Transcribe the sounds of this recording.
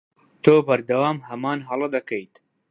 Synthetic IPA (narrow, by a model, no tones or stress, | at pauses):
t̪ʰoːbɐɾd̪ɐwaːmhɐmaːnɦɐlˠɐd̪ɐkɐjt̪